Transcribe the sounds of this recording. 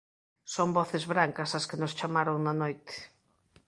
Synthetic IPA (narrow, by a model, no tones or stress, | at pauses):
sombɔθɪzβɾaŋkɐsɐskɪnʊst͡ʃamaɾoŋnɐnojt̪ɪ̥